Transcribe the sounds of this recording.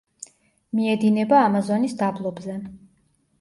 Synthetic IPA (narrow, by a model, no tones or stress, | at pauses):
miɛd̪inɛbaːmazɔnisd̪ablˠɔbzɛ